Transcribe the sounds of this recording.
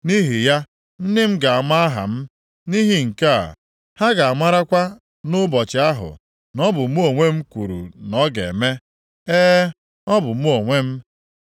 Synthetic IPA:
ni˦ɦi˨ja˦ | n̩˦dɪ˦m̩˦ɡa˨a˨ma˦a˦ɦa̰˨m̩˦ | ni˦ɦi˨ŋ̩˨ka˦a̰˨ | ha˦ɡa˨a˨ma˦ɾa˦kʷa˦ | nʊ˦bɔ˨t͡ʃɪ˨a˦ɦʊ̰˨ | nɔ˦bʊ˨m̩˦o˨ŋʷe˦m̩˦kʷu˨ɾṵ˨nɔ˦ɡḛ˨me˦ | eː˦ | ɔ˦bʊ˨m̩˦o˨ŋʷe˦m̩˦

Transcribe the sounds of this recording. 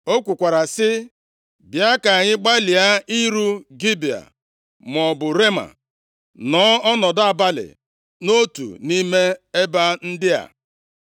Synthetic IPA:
o˦kʷu˨kʷa˨ɾa˨sɪ˦ | bja˦ka˨ɲɪ˦ɡ͡ba˦li˨a˦i˦ɾu˦ɡi˦bi˨a̰˨ | m˨ɔ˨bʊ˨ɾe˦ma̰˨ | nɔː˨˦ɔ˦nɔ˨da˨ba˦lɪ̰˨ | no˦tṵ˨ni˦me˦e˦ba˦n̩˦dɪ˦a̰˨

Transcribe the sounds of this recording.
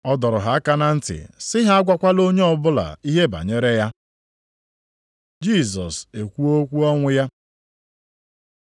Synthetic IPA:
ɔ˦dɔ˨ɾʊ˨ɦa˨a˦ka˦na˦n̩˦tɪ̰˨sɪ˦ɦa˦a˦ɡʷa˦kʷa˦lo˦ɲe˦ɔ˨bʊ˦la̰˨i˦ɦe˦ba̰˨ɲe˦ɾe˦ja˦ | d͡ʒi˦˨s̬ɔ˨se˨kʷu˦o˦kʷu˦ɔ˦ŋʷʊ˦ja˦

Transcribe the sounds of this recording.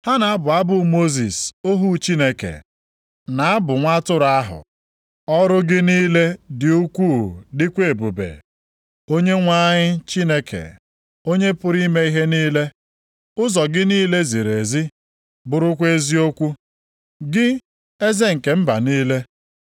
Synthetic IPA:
ha˦na˨a˦bʊ˨a˦bʊ˨mo˦zi˨so˦ɦu˦t͡ʃi˦ne˨kḛ˨ | na˨a˦bʊ˨ŋʷa˦tʊ˦ɾa˦ɦʊ̰˨ | ɔ˦ɾʊ˦ɡɪ˦niː˦le˦dɪ˨u˦kʷu˦˨dɪ˦kʷe˦˨bu˨bḛ˨ | o˦ɲe˦ŋʷa˦ɲɪ˦t͡ʃi˦ne˦kʰḛ˨ | o˦ɲe˦pʊ˦ɾi˦me˦i˦ɦe˦niː˦le˦ | ʊ˦zɔ˨ɡɪ˦niː˦le˦zi˨ɾe˨zi˦ | bʊ˨ɾʊ˦kʷe˦zi˦o˦kʷu˦ | ɡɪ˦ | e˦ze˦ŋ̩˨ke˨m̩˦ba̰˨niː˦le˦

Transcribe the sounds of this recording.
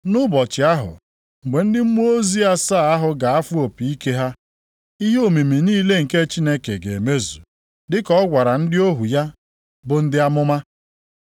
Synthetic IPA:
nʊ˦bɔ˨t͡ʃɪ˨a˦ɦʊ̰˨ | ŋ̩˨ɡ͡be˨n̩˦dɪ˦m̩˦mu˦o˦zi˦a˦sa˦˨a˦ɦʊ˨ɡa˨a˦fu˦o˨pi˨i˦ke˦ɦa˦ | i˦ɦe˦o˨mi˨mi˨niː˦le˦ŋ̩˨ke˦t͡ʃi˦ne˦ke˨ɡe˨e˨me˦zu˨ | dɪ˦kɔ˦ɔ˦ɡʷa˨ɾa˨n̩˦dɪ˦o˦ɦu˨ja˦ | bʊ˨n̩˦dɪ˦a˦mʊ˦ma˦

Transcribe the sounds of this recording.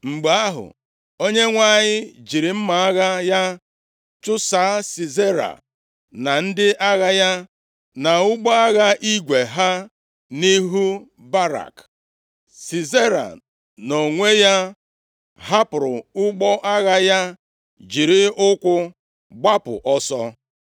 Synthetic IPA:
ŋ͡m̩˨ɡ͡ba˨a˦ɦʊ̰˨ | o˦ɲe˦ŋʷa˦˨ɲɪ˦d͡ʒi˨ɾi˨m̩˦ma˨a˦ɣa˦ja˦ | t͡ʃʊ˦saː˨˦si˨ze˦ɾa̰˨ | na˨n̩˦dɪ˦ʔa˦ɣa˦ja˦ | na˨ʊ˦ɡ͡bɔ˦a˦ɣa˦ʔi˦ɡʷe˨ɦa˦ | ni˦ɦu˦ | ba˦ɾa̰˨k | si˨ze˦ɾa̰˨ | no˨ŋʷe˦ja˦ | ɦa˦pɾʊ̰˨ʊ˦ɡ͡bɔ˦ʔa˦ɣa˦ja˦ | d͡ʒi˨ɾi˦ʊ˦kʷʊ˦ | ɡ͡ba˦pʊ̰˨ʔɔ˦sɔ̰˦

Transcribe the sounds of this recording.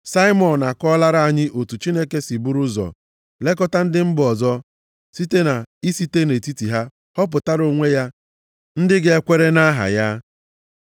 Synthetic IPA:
sa˦ɪ˦mɔ˨n˨na˨kɔ˦la˦ɾa˦a˨ɲɪ˦ʔo˨tu˨t͡ʃi˦ne˦ke˦si˨bu˦ɾʊ˦zɔ̰˨ | le˦kɔ˦ta˦n̩˦dɪ˦m̩˦bɔ˨zɔ˦ | si˦te˦na˨i˦si˦te˦ne˨ti˦ti˨ɦa˦ | hɔ˦p̬ʊ˨ta˦ɾo˨ŋʷe˦ja˦ | n̩˦dɪ˦ɡɪ˦e˦kʷe˦ɾe˦na˦ɦa̰˨ja˦

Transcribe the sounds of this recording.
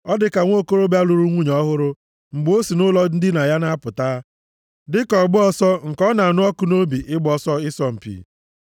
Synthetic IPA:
ɔ˦dɪ˨˦ka˨ŋʷo˦ko˦ɾo˦ba˦lu˨ɾu˦ŋʷu˦ɲ˨ɔ˦ɦʊ˦ɾʊ˦ | ŋ͡m̩˨ɡ͡bo˦si˨nʊ˦lɔ˦n̩˦dɪ˦na˨ja˦na˦pʊ˨taː˦ | dɪ˦kɔ˨ɡ͡bʊ˦ɔ˦sɔ˦ŋ̩˨kɔ˦na˨nʊ˦ɔ˦kʊ˦no˦bi˨ʔɪ˦ɡ͡bɔ˦sɔ˦ɪ˦sɔ˦m̩˨pḭː˨

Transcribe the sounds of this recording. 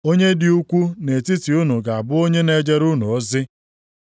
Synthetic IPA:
o˦ɲe˦dɪ˨u˦kʷu˦ne˨ti˦ti˨u˦nu˨ɡa˨a˨bʊ˦o˦ɲe˦ne˨d͡ʒe˦ɾu˦nu˨ɔ˦zɪ˦

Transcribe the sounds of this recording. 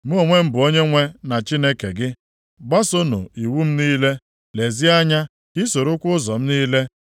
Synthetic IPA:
m̩˦o˨ŋʷe˦m̩˦bʊ˨o˦ɲe˦ŋʷe˦na˨t͡ʃi˦ne˦ke˨ɡɪ˦ | ɡ͡ba˦so˦nṵ˨i˨wu˦m̩˦niː˦le˦ | le˨zi˦a˦ɲa˦ | ɪ˦so˨ɾo˦kʷʊ˦ʊ˦zɔ˨m̩˦niː˦le˦

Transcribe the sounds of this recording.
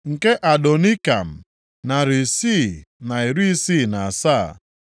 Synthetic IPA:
ŋ̩˨ke˦ʔa˨do˨ni˦ka̰˨m̩˨ | na˨ɾi˨si˦˨na˨i˨ɾi˦si˦˨na˨a˨sa˦˨

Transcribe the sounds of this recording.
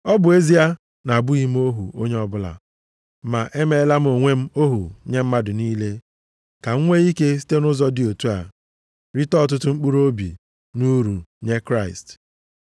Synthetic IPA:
ɔ˦bʊ˨e˦zi˦a˦ | na˨bʊ˦i˦m̩˦o˦ɦṵ˨o˦ɲe˦ɔ˦bʊ˦la̰˨ | ma̰˨ʔe˦me˦la˦m̩˦o˨ŋʷe˦m̩˦o˦ɦṵ˨ɲe˦m̩˦ma˦dʊ˨niː˦le˦ | ka˨ŋ̩˦ŋʷe˦i˦ke˦si̥˦te˦nʊ˦zɔ˦dɪ˨o˨tu˦a̰˨ | ɾi˦tɔ˦˨t̬ʊ˦tʊ˦ŋ͡m̩˦k͡pu˦ɾo˦bḭ˨ | nu˦ɾu˨ɲe˦kɾa˦˨ɪ̰˨st

